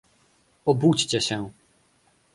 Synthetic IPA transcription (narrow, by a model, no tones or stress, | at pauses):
ɔbut͡ɕt͡ɕɛɕɛ